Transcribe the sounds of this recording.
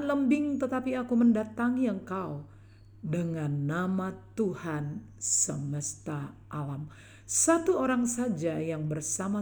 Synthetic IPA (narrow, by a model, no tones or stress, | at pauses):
nləmbɪŋt̪ət̪apiakuməndat̪aŋiəŋkau | dəŋanːamat̪uhan | səməst̪aʔalam | sat̪uoɾaŋsad͡ʒajaŋbərsama